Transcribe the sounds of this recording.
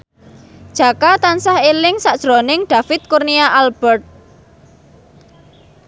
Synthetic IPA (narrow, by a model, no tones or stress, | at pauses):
d̥ʒ̥ä̤kat̪ansahelɪŋsaʔd̥ʒ̥ɾonɪŋɖ̪̥ä̤fɪt̪̚kurniaʔalb̥ɛrt̪̚